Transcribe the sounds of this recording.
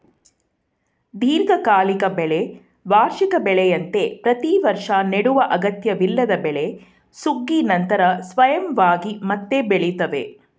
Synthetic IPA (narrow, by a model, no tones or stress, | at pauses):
d̪ʱiːɾɡɐkaːlikɐbɛɭe | ʋaːɾʃikɐbɛɭɛjɐnt̪e̞pɾɐt̪iʋɐɾʂaneɽuʋɐʔɐɡɐt̪jɐʋilːɐd̪ɐbɛɭe̞ | suɡːinɐnt̪ɐɾɐsʋɐjɐmʋaːɡimɐt̪ːebeɭit̪ɐʋḛ